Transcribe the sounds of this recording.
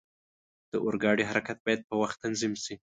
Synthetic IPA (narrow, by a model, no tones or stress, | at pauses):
d̪̥əʔʊɾɡɑɽiɦaɾakat̪̚bɑjad̪̚pəwaxt̪ːanzimsi